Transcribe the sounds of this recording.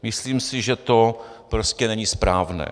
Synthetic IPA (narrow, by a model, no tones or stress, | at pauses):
mɪsliːmsɪʒɛt̪o̞ | pɾoscɛnɛɲispɾaːvnɛ̰ː